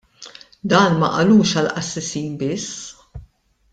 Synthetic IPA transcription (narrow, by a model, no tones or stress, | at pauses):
d̪ɐːnmɐ̰ʔɐluːʃɐlʔɐsːɛsiːnbɪsː